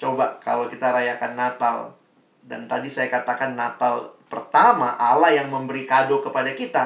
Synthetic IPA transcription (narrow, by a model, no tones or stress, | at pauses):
t͡ʃobaka̰lawkit̪aɾajakanːat̪al | da̰nt̪adisajakat̪akanːat̪alpərt̪ama̰ʔa̰lajaŋməmbəɾikadokəpadakit̪a